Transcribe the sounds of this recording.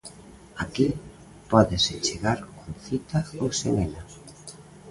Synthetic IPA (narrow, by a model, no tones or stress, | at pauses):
aki | pɔðeset͡ʃeɣaɾkonθit̪aowseŋena